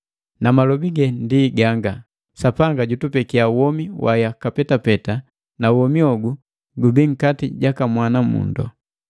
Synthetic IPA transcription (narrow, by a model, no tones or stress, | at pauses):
namalɔbiɡɛndiɡaŋɡa | sapaŋɡaɟutupɛkiauwɔmiwʔa̰jakapɛtapɛta | nauwɔmiɔɡu | ɡubiŋ̩katiɟakamwanamṵndɔ̰